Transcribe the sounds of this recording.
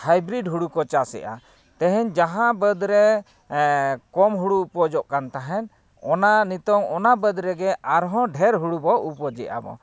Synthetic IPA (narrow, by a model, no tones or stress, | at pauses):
hajbɾiɖɦuɽukɔt͡ʃasɛ̰ʔa̰ | t̪ɛɦɛɲd͡ʒaɦãbəd̪ɾɛ | kɔmɦuɽuːpɔd͡ʒɔʔkant̪aɦɛn | ɔnanit̪ɔŋɔnabəd̪ɾɛɡɛaɾɦɔ̃ɖʱɛɾɦuɽubɔʔupɔd͡ʒɛʔa̰bɔ̰